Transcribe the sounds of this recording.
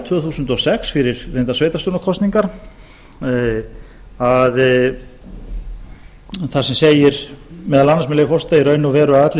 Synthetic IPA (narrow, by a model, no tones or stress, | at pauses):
t̪ʰvœːθuːsʏnt̪ɔsɛksfɪɾɪɾrejnt̪asveːjt̪ast̪onakʰɔst̪niŋkaɾ | að | θasɛmseːjɪɾ̥mɛːðalanːasmɛnlejɣɪfɔrst̪aiɾœːɥnʏvɛːɾʏaðat̪l